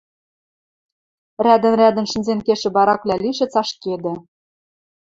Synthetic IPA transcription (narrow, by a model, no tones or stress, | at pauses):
ræd̪ɘ̆nrʲæd̪ɘ̆nʃɘ̆nzenkeʃɘ̆bɑɾɑklʲæliʃɘ̆t͡sɑʃked̪ɘ̆